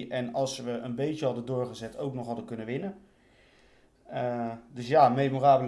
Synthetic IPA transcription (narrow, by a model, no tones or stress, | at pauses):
ʔɛnɑlˠsʋəʔənbejtəɦɑdədʊːɹχəzɛtʰowknɔχɦɑdəkɵnəʋɪnə | dɵsjaːmejmoraːbəl